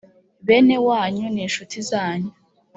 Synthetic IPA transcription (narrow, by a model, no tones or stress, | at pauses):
βenewaːɲuniːnʃutʰizaːɲu